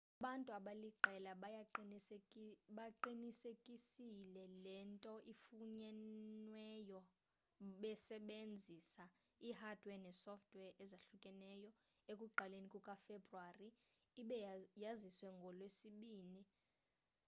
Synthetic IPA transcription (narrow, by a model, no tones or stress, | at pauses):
aɓantʼuaɓaliǃʱɛlaɓ | ɓaǃinisekʼisilɛlɛntʼɔʔifuɲɛnwɛjɔ | ɓɛsɛɓend͡zʱisa | ihad̥ʱwɛnɛsɔftʰʼwɛʔɛzaɬukʼɛnɛːjɔekʼuǃʱalenikʼukʼafebʱruariː | ɓjaziswɛŋɡʱɔlwesiɓiːni